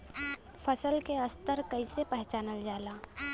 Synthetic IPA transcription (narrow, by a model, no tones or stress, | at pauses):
pʰəsəlkeəst̪əɾkəisepɛɦt͡ʃaːnəld͡ʒaːlaː